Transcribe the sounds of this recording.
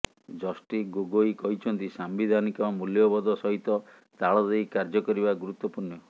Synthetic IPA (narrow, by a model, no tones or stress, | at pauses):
d͡ʒɔsʈiɡoɡoikɔɦit͡ʃʰɔnt̪isambid̪ʱanikɔmuljɔbɔd̪ɔsɔɦit̪ɔ | t̪aɭɔd̪ejkaɾd͡ʒɔkɔɾibaɡuɾut̪wɔpuɾnjɔ